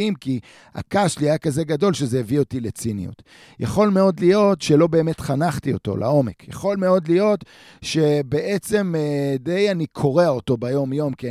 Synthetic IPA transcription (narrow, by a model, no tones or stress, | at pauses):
imki | a̰kaʃliajakazeɡado̞lʃezejevio̞tilet͡sinḭjṵt̪ | ja̰χo̞lme̞o̞d̪lijo̞t̪ʃe̞lo̞be̞ːme̞tχanaχtio̞to̞̰lʔa̰o̞me̞kjaχo̞lme̞o̞dlijo̞t̪ | ʃe̞be̞ʔet͡se̞mde̞janikʰo̞ʁeaoto̞bajo̞mjo̞mki